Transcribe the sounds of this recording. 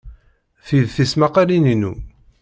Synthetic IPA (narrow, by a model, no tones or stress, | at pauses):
θiðθismaqalininu